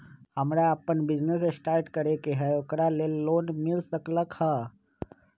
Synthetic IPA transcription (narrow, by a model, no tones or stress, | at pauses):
ɦəmɾjaːpəɳbid͡ʒnes̬esʈaɾʈkəɾekeɦəjokɾalelːoːnmilsəkləkha